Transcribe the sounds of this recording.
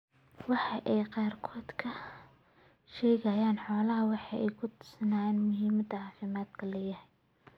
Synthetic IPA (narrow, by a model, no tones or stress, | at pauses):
wɑħɑʔɛjqɑːrkʰɔːd̪kʰɐ | ʃɛːɣɐjaːnħɔːlɐɦɐwɑħɑʔɛjkʰʊt̪ʰʊ̥sɐnaːjɛːnmʊɦiːmɐd̪ɐʕɑːfɪmaːd̪kʰɐlɐjɐhɛj